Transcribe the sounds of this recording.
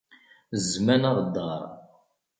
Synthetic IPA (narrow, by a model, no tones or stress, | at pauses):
zmænaɾˤd̪ːɑɾˤ